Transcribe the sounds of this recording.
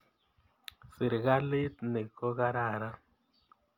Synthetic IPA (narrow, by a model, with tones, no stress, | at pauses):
si˨ɾɡa˦li˦t̪ne˨ko˦ɣa˦ɾa˦˨ɾa˦